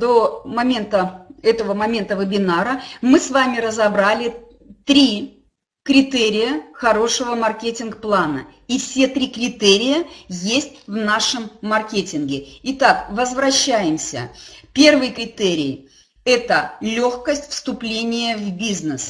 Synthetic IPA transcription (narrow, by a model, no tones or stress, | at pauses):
d̪omɐmʲent̪əɛt̪əvəmɐmʲe̞nt̪əvɨbʲɪnaɾəmɨsvamʲɪɾəzɐbɾalʲɪ | t̪ɾʲi | kɾʲɪt̪ɛɾʲɪjəxɐɾo̞ʂɨvəmɐrkʲetʲɪnkplˠanə̰ | ifsʲe̞t̪ɾʲikɾʲɪt̪eɾʲɪjəjesʲtʲvnaʂəmːɐrkʲetʲɪnɡʲɪɪt̪akvəzvɾɐɕːæjɪmsʲə̰pʲe̞rvɨjkɾʲɪt̪eɾʲɪj | ɛt̪əlʲo̞xkəsʲtʲfst̪ʊplʲenʲɪjəvbʲiznɨs